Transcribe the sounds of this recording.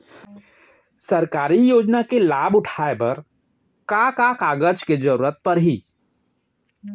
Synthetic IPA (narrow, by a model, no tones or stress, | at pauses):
sɐɾkaːɾijoːd͡ʒnakelaːbʊʈʰaːepɐɾ | kakakaːɡəd͡ʒked͡ʒɐɾuːɾət̪̚pɐɾɦiː